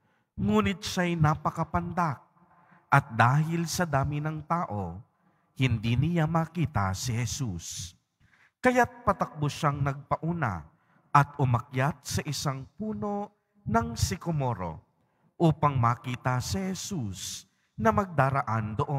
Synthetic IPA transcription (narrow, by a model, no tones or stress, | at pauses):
ŋuːnɪt̪̚ʃajnɐpɐkɐpɐnd̪ak̚ | ʔɐt̪̚d̪aːɦɪlsɐd̪aːmɪnɐŋt̪aːʔo̞ | hɪnd̪inɪjamɐkiːt̪ɐ̰sɪhɛsus | kɐjat̪̚pɐt̪ɐk̚bʊʃaŋnɐɡ̚pɐʔuːna̰ | ʔɐt̪̚ʊmɐk̚jat̪̚sɐʔɪsaŋpuːno̞ | nɐŋsɪkomo̞ɾo̞̰ | ʔuːpɐŋmɐkiːt̪ɐsɪhɛsus | nɐmɐɡ̚d̪aːɾɐʔand̪oʔo